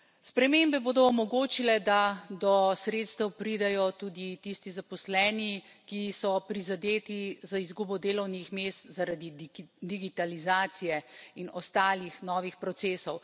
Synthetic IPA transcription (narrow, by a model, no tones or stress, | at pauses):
spɾɛmembɛboːd̪ɔɔmɔɡoːt͡ʃilɛd̪ad̪ɔsɾeːt̪st̪ɛwpɾid̪ɛjɔt̪uːd̪it̪ist̪izapɔslɛːnikisɔpɾizad̪eːt̪izaizɡuːbɔd̪eːlɔwnixmeːst̪zaɾad̪id̪iɡit̪alizaːt̪sijɛinɔst̪aːlixnɔːʋixpɾɔt̪seːsɔw